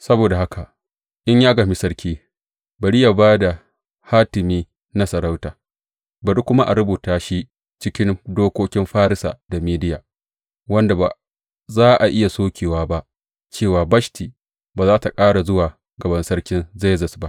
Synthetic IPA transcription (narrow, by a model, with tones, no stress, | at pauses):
sɐ˦boː˨da˨ha˦ka˨ʔ | ʔɪ˦ɲjaː˦ɡa˨mi˦sɐ˦ɽkʲiː˦ | bɐ˨ɽi˦jaː˨baː˦da˨ | haː˦tɪ˨miː˦ | na˦sɐ˨ɾa˦wtaː˨ | bɐ˨ɗu˦kʷʊ˦ma˦ʔa̰˨ɽʊ˦buː˨taː˨ʃi˦ | t͡ʃɪ˦kʲɪ˦ndoː˦kʷoː˦kʲɪ˦mɸaː˦ɾɪ˦sa̰ː˨da˨miː˦dɪ˦jaː˨ | wɐ˦nda˨ba˨ | zaː˦ʔa˨ʔɪ˦ja˨soː˦kʲeː˨waː˦ba˦ʔ | t͡ʃeː˦˨waː˨bɐ˦ʃti˨ | baː˨zaː˦ta˨kʼaː˦ɽa˨zʊ˦waː˨ | ɡɐ˨bɐ˦nsɐ˦rkʲɪ˦nza˦zɐ˨sba˦ʔ